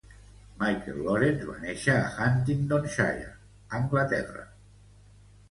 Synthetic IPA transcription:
majkḛlːoɾenzβa̰neʃa̰ːxant̪ind̪onʃa̰ja̰ | aŋɡlat̪ɛ̰ra̰

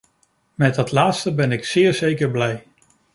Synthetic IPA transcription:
mɛt̚ɑtlaːtstəbɛnɪksɪːɹzejkəɹblɛj

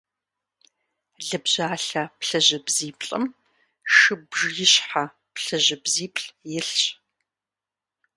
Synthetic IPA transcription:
ɮɨbʑaːɬɐpɬɐʑɐbziːpʰʼɬʼɨ̰m | ʃɨbʐjɪɕħa | pɬɐʑɪbziːpʰʼɬʼjɪɬɕʼ

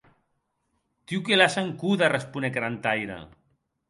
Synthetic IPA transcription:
t̪iwkelasaŋkuðarespunekɾant̪ajɾa̰

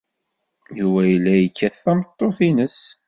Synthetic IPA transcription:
juvæjəlːæjəkːæθːæmət̪ˤːoθinəs

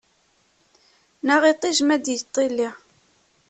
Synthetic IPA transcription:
naʁit̪ˤːiʒmæd̪jt̪ˤːilːi

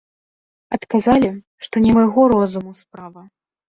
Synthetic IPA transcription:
ɐt̪kazalʲi | ʂt̪ɔnʲɛmajɣɔɾɔzumuspɾavɐ

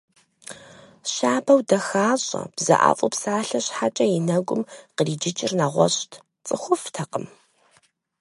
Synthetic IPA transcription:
ɕaːbɐwdɐxaːɕʼɐ̰b̥zɐ̰ʔa̰ːfʼʊpsaːɬɐɕħat͡ʃʼɐjɪnɐɡʷʊmqəriːd͡ʒɪt͡ʃʼɪrnaːʁʷɔ̰ɕtʰ | t͡sʼɨxʷʊftʰɐqʼəm

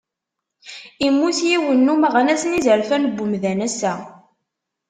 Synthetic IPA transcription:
imːuθjiwənːumæʁænæsənizəɾfænbːʊmðænæsæ

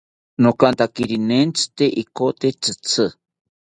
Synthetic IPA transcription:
nokant̪akiɾinent͡sʰɨ̥t̪eʔikot̪et͡sʰɨt͡sʰɨ

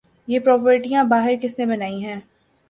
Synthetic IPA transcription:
jeːpɾɔːpəɾʈijãbaːɦɪɾkɪsnebɐnaːĩɦɛ̃ː

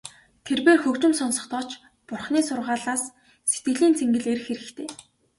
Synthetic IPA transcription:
t̪ʰerpeːrxɵkt͡ɕɪ̆msɔnsɞ̆χt̪ɔːt͡ɕ | pʊrχniːsʊrʁaːɮaːs | se̥t̪̚ɡɘ̆ɮiːnt͡sʰeŋɡɘ̆ɮeɾɘ̆xeɾɘ̆kt̪ʰeː

